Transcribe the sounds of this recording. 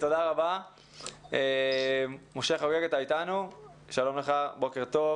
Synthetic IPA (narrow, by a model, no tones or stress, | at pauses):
t̪od̪aʁaba | e | moʃeχoɡeɡet̪ait̪anu | ʃalo̞mleχabo̞keʁt̪o̞v